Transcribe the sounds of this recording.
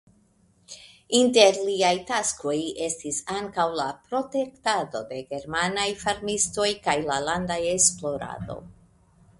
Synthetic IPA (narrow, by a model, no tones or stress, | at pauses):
inte̞ɾliajtasko̞je̞stisaŋkawlapɾo̞te̞ktado̞de̞ɡe̞ɾmanajfaɾmisto̞jkajlalandajesplo̞ɾa̰do̞̰